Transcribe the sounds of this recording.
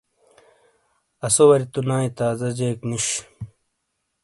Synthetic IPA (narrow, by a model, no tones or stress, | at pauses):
ɐsowɐɾit̪unaːĩt̪aːzɐd͡ʑeːkniɕ